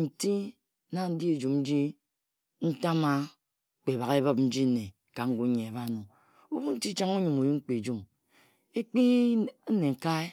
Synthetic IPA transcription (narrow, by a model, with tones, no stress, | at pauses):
n̩˨ti˦ | na˨n̩˦di˦e˨d͡ʒu˨mn̩˦d͡ʒi˦ | n̩˦ta˦ma˦˨ | k͡pe˨βa˨ɣe˦bɔ˦p̚n̩˦d͡ʒi˦ne˨ | ka˨ŋ̩˦ɡu˦ɲe˨e˨βa˦nu˨ | u˦bu˦n̩˦ti˦t͡ʃa˦ŋu˦ɲu˨mu˨ju˦ŋ͡m̩˦k͡pi˨d͡ʒu˦m | e˦k͡pi˦ne˨ŋ̩˨ka˦e˦